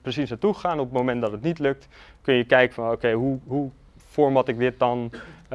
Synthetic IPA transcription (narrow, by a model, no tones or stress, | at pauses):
prəsisnatuχaːnɔpətmowmɛntdɑtətnitlɵk̚tkɵnjəkɛjkəfɑnowkejɦuɦu | fɔɹmɑtɪɡ̚dɪt̚dɑn